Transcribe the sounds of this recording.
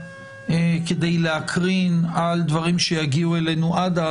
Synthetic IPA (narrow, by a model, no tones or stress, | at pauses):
eked̪ejleakʰʁinald̪vaʁimʃejaɡiuele̞nuʔad̪a